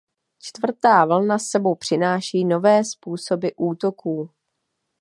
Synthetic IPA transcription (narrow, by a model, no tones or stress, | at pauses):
t͡ʃt̪vr̩t̪aːvl̩nasɛbo̞wpr̝̥ɪnaːʃiːno̞vɛːspuːso̞bɪʔuːt̪o̞kuː